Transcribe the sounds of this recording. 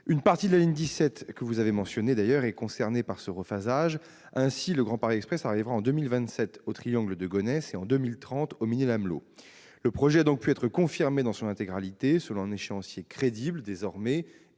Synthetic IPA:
ynpaʁt̪id̪əlaliɲd̪isɛt̪kəvuzavemɑ̃sjɔned̪ajœʁɛkɔ̃sɛʁnepaʁsəʁəfazaʒ | ɛ̃siləɡʁɑ̃paʁeɛkspχɛsaʁivʁaɑ̃d̪ømilvɛ̃t̪sɛt̪ot̪χijɑ̃ɡləd̪əɡɔnɛseɑ̃d̪ømilt̪χɑ̃t̪ɔminelamlo̰ | ləpχɔʒɛad̪ɔ̃k̚pyɛt̪χəkɔ̃fiʁmed̪ɑ̃sɔ̃nɛ̃t̪eɡʁalit̪esəlɔ̃ɛ̃neʃeɑ̃sjekχed̪ibləd̪ezɔʁmɛ

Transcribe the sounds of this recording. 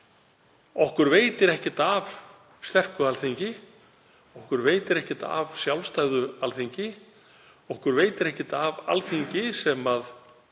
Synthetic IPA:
ɔhkʏɾveːjt̪ɪɾɛhcɪt̪av | st̪ɛr̥kʏalθiɲcɪ | ɔhkʏɾveːjt̪ɪɾɛhcɪt̪a̰vsjawlst̪ajɣðʏalθiɲcɪ | ɔhkʏɾveːjt̪ɪɾɛhcɪt̪ava̰lθiɲcɪsɛmað

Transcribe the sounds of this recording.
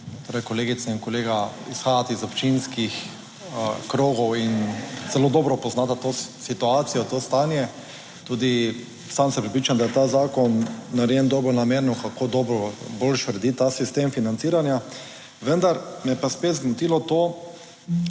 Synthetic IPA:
t̪oːɾajkɔleːɡit̪sɛinkɔleːɡaisxaːjat̪izɔpt͡ʃinskix | kɾoːɡɔwinzɛloːd̪ɔːbɾɔpɔznaːt̪at̪osit̪uaːt̪sijɔt̪ost̪anjɛ | t̪uːd̪i | samsɛmpɾɛpɾiːt͡ʃamd̪ajɛt̪aːzaːkɔnːaɾjɛnd̪ɔːbɔɾnameːɾnɔkakoːd̪ɔːbɾɔbolʃɾɛd̪it̪asist̪emfinant̪siːɾanja | ʋənd̪aɾmɛɛpaspet̪zɡnɔt̪ilɔt̪oː

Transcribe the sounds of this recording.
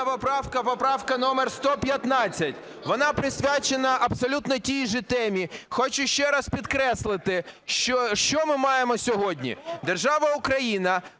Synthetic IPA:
ɐpɔpɾɑwkɐpɔpɾɑwkɐnɔmerst̪ɔpʲjɐt̪nɑt͡sʲːɐtʲ | ʋɔnɑpɾɪsʲʋʲat͡ʃenɐʔɐbsɔlʲut̪nɔtʲijʒɪt̪ɛmʲixɔt͡ʃʊʃt͡ʃɛɾɐspʲid̪kɾɛslˠɪt̪ɪʃɔʃt͡ʃɔmɪmɑjemɔsʲɔɦɔdʲnʲḭd̪erʒɑʋɐʊkɾɐjinɐ

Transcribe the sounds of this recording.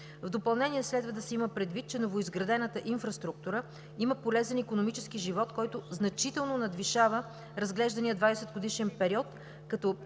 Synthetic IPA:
vd̪opɐlˠnɛniɛslɛd̪vəd̪ɐsɛiməpɾɛd̪vit̪̚t͡ʃɛnovoizɡɾɐd̪ɛnət̪əʔinfɾɐst̪ɾuk̚t̪uɾə | iməpolɛzɛnikonomit͡ʃɛskiʒivɔt̪kɔjt̪ʊznɐt͡ʃit̪ɛlˠnonɐd̪viʃavə | ɾɐzɡlɛʒd̪ɐnijəd̪vad̪ɛsɛd̪̚ɡod̪iʃɛnpɛɾiɔt̪ | kɐt̪ɔ

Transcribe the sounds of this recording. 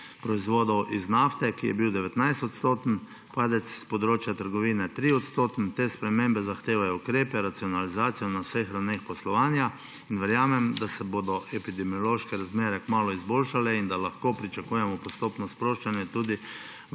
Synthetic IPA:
pɾɔizʋoːd̪ɔwʔiznaft̪ɛkijɛbiwd̪ɛʋɛt̪najst̪ɔt̪st̪oːt̪n̩ | paːd̪ɛt̪sspɔd̪ɾoːt͡ʃjat̪əɾɡɔʋiːnɛt̪ɾiɔt̪st̪oːt̪nt̪espɾɛmẽmbɛzaxt̪eːʋajɔukɾeːpɛɾat̪siɔnalizaːt̪sijɔnawsexɾawnexpɔslɔʋaːnja | inʋɛɾjaːmɛmd̪asɛbod̪ɔɛpid̪ɛmijɔloːʃkɛɾazmeːɾɛkmaːlɔizboːlʃalɛind̪alaxkoːpɾit͡ʃakuːjɛmɔpɔst̪oːpnɔspɾoːʃt͡ʃanjɛt̪uːd̪i

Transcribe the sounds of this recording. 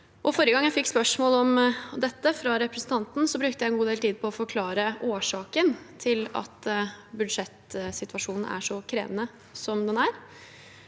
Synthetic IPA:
ʔɔfɔɾəɡɑŋːjæfɪkːspœʂmoːlɔmd̪ɛt̪ːəfɾɑɾɛpɾɛsn̩t̪ʰɑnt̪n̩sɔbɾʉk̚t̪əjæɛnɡuːd̪eːlt̪ʰiːd̪̚pʰɔɔfɔɾkʰlɑːɾəʔoːʂɑːkənt̪ʰɪlɑ̰t̪bʉd̪ʂɛt̪sɪt̪ʋɑʂuːnn̩ʔæ̰ʂɔkʰɾḛːʋənə | sɔmd̪ɛnæɾ

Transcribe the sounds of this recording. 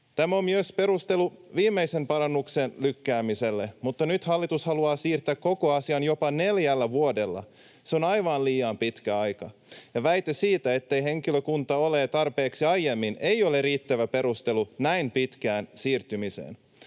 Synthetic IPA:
t̪æmæo̞mmyøspe̞ɾust̪e̞luʋiːmːe̞jse̞mpɑɾɑnːuksenlykːæːmise̞lːemut̪ːɑnyt̪hɑlːit̪ushɑluɑːsiːrt̪ˑækko̞ko̞ɑsiɑnjo̞pɑne̞ljælːæʋuode̞lːɑ̰ | seonɑjʋɑnliːɑmpit̪kæɑjkɑjɑʋæjt̪esiːt̪æe̞t̪ːejɦe̞ŋkiløkunt̪ɑolet̪ɑrpe̞ːksiɑjjemːine̞jo̞leriːt̪ːæʋæpe̞ɾust̪elunæinpit̪kæːnsiːrt̪ymisḛːn

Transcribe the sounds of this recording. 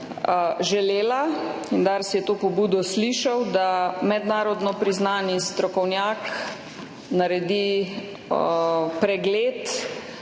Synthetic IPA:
ʒɛleːla | ind̪aɾsijɛt̪oːpɔbuːd̪ɔsliːʃawd̪amɛd̪naːɾɔd̪nɔpɾiznaːnist̪ɾɔkɔwnjaːk | naɾɛd̪i | pɾɛɡleːt̪

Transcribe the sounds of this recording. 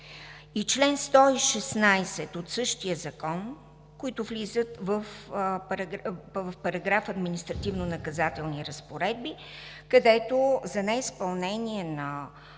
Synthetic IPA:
it͡ʃlɛnst̪ɔiʃɛsnajsɛt̪ot̪sɤʃt̪ijəzɐkɔn | koit̪ʊvlizət̪vəfɾvəfpɐɾɐɡɾafɐd̪minist̪ɾɐt̪ivnonɐkɐzat̪ɛlˠniɾəspoɾɛd̪̚bi | kɐd̪ɛt̪ozɐnɛispɐlˠnɛniɛnɐ

